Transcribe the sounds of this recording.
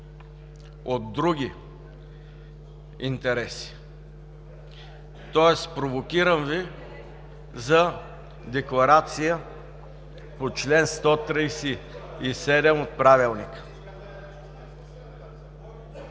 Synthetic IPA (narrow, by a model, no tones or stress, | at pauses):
od̪d̪ɾuɡʲi | int̪ɛɾɛsi̥ | t̪ɔɛspɾovokʲiɾəmvi | zɐ | d̪ɛklˠɐɾat̪sijə | pot͡ʃlɛnst̪ɔt̪ɾijsi | isɛd̪ɛmot̪̚pɾavilˠnik